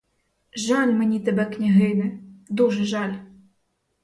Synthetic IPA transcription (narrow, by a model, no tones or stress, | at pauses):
ʒalʲmenʲit̪ɛbɛknʲaɦɪnɪd̪uʒɛʒalʲ